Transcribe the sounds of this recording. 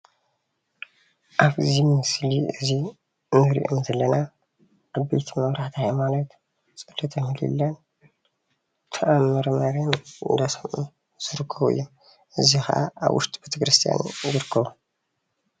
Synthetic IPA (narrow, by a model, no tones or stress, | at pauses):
ʔaβɨzimɨsliɨzi | nɨɾḭʔomzɐlːɐna | ʔaβbet̪ʰimɐβɾaħt̪ʰihmalɐt̪ | t͡sʼɨlːɐt̪ʰɐmɨlḭlːan | t̪ʰɐʔamɐɾmɐɾanɨ̰nd̪asɐmʔu | z̥ɨɾɨkʰːɐβɨ̰jːo | ʔɨzixɐ̰ʔa̰a̰βwʊ̰ʃt̪ʼibet̪ʰɐkɾɨst̪ʰija̰n̰zɨɾɨkʰːɐβu